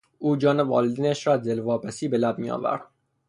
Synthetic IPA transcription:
uːd͡ʒɒːnevɒ̰ːled̪iːnæʃɾɒːd̪elvɒːpæsiːbelæb̚miɒ̰ːvæ̰ɾd̪̥

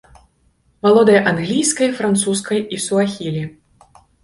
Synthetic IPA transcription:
valˠɔd̪ɐjʔanɣlʲijskɐjfɾant̪suskɐjisuaxʲilʲi

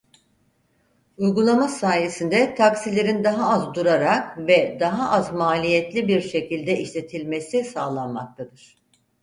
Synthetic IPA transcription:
ujɡulˠamasaːjesind̪ɛt̪ʰaksilʲe̞ɾind̪aɦaazd̪uɾaɾakvɛd̪aɦaʔazmaːlʲijɛt̪lʲibiɾʃe̞cilʲd̪ɛʔiʃlʲe̞t̪ʰilʲmesisaːlˠanma̰k̚t̪ʰad̪ɯɾ̥

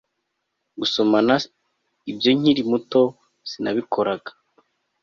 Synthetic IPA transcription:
ɡuso̞mana | ibjo̞ɲ̥iɾimuto̞ | sinaβikʰo̞ɾaɡḁ

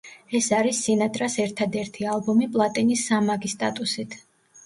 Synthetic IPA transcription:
ɛsaɾisːinat̪ʼɾasɛɾt̪ʰad̪ɛɾt̪ʰialˠbɔmipʼlˠat̪ʼinisːamaɡist̪ʼat̪ʼusit̪ʰ

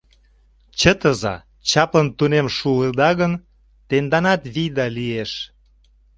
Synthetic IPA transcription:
t͡ɕət̪əzɑ̰ | t͡ɕɑpənt̪unemʃuəd̪ɑɣən | t̪end̪ɑnɑt̪βid̪ɑlieʃ

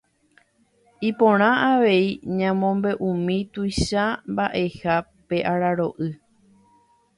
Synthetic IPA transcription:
ipõɾ̃ãaʋe̞iɲãmõ̞mbe̞ʔũmĩt̪ujʃambaʔe̞ha | pe̞ʔaɾaɾo̞ʔɨ

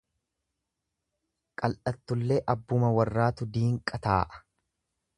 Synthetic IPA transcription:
kʼɐlʔɐt̪ːʊlːeːʔɐbːʊmɐwɐrːaːt̪ʊd̪iːŋkʼɐt̪a̰ːʔɐ̥

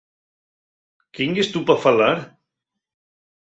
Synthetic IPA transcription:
kiŋɡest̪upafalaɾ

